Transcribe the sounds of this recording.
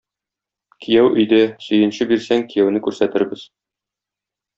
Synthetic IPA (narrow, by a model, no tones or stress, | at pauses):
kijæwʔɵ̆jd̪æsɵ̆jɘ̆nɕɘbiɾsæŋkijæwnɘkʉɾsæt̪ɘ̆ɾbɘz